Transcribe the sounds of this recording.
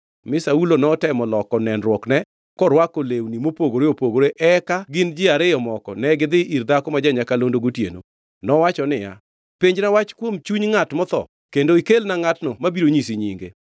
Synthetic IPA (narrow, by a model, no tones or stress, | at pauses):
mɪsaulonɔtɛmɔlɔkɔnɛnɾwɔknɛ | kɔɾwakolewnimopoɡoɾeopoɡoɾeʔɛkaɡɪnd͡ʒɪaɾɪjɔmɔkɔ̰nɛɡɪd̪ɪʔiɾd̪akɔmad͡ʒaɲakalondoɡotjḛno̰ | nɔwat͡ʃɔnɪja̰ | piɲd͡ʒnawat͡ʃkwomt͡ʃuɲŋatmɔt̪ɔ̰ | kendoikelnaŋatnɔmabiɾoɲisiɲḭŋɡḛ